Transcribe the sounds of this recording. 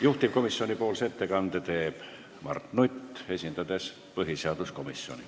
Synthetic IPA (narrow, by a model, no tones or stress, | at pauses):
juht̪ip̚ko̞misːio̞nipo̞ːlset̪ːekɑnd̪̥et̪e̞ːb̥ | mɑ̰rt̪nut̪ːe̞sʲind̪ɑd̪e̞s | pɤɦiseɑd̪̥usko̞misːio̞̰nḭ